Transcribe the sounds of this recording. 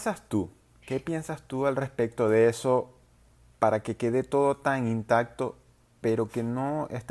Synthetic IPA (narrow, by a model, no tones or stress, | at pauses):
sast̪u | ke̞pje̞nsast̪ualre̞spe̞k̚t̪o̞ðeeso̞ | paɾake̞ke̞ð̞e̞t̪o̞ðo̞t̪aŋint̪ak̚t̪o̞ | pe̞ɾo̞ke̞no̞ḛst̪